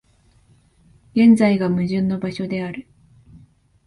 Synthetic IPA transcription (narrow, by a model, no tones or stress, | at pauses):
ɡẽ̞nd͡zaiɡamɯ̟ʑɨ̃nːo̞baɕo̞d̪e̞aɾɯ̟